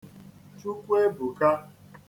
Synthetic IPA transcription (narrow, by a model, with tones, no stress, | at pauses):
t͡ʃu˦kʷu˦e˦bʊ˨ka˦